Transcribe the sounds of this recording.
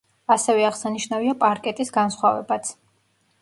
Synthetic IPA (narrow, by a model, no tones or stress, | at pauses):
asɛvɛaʁsaniʃnaviapʼaɾkʼɛt̪ʼisɡansχwavɛ̰bat̪sʰ